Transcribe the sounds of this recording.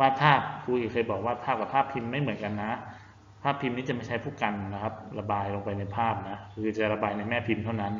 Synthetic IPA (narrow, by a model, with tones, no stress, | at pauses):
waː˥˩pʰaː˥˩p̚kʰu˧kʰi˨˩kʰɤː˧jbɔː˨˩k̚waː˥˩t̪pʰaː˥˩ka˨˩pʰaː˥˩pʰi˧mːa˥˩jmɯ˩˦ənka˧nːa˦˥ | pʰaː˥˩pʰːi˧mni˦˥t͡ɕa˨˩ma˥˩jt͡ɕʰa˦˥pʰuː˥˩ka˧nna˧˩kʰa˦˥p̚la˧baː˧jlo˧ŋpa˧jna˧jpʰaː˥˩p̚na˦˥kʰɯː˧t͡ɕa˨˩ɾa˧baː˧jna˧jmɛː˥˩pʰi˧mt̪ʰa˥˩wna˦˥n